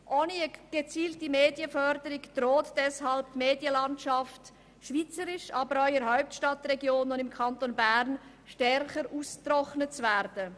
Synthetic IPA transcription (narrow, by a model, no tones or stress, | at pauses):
ʔoːniəɡ̥et͡siːltimeːdjəfœɾdəɾɪkd̥ɾoːtd̥ɛshɑlptmeːdjəlɑntʃɑft | ʃviːt͡səɾɪʃɑːbəɾɔʏəɾɦaʊp̚tʃtɑtrɛɡjoːnʊnɪmkʰɑntonbæɾn | ʃtɛɾχəɾuːstrɔχnət͡svɛɾdə